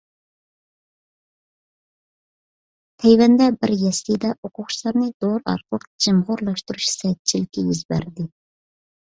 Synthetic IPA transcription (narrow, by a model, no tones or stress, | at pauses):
t̪ʰɛjwɛnd̪ɛbɪɾjɛst̪id̪ɛʔoqʰʊχt͡ʃʰilˠɑɾnɨd̪̥oɾɑ̰ɾqəlˠəq̚d͡ʒɪmʁʊɾlˠɑʃt̪uɾuʃsɛt̪̚t͡ʃʰilɪkʲʰːɛjyzbæ̰ɾd̪ɪ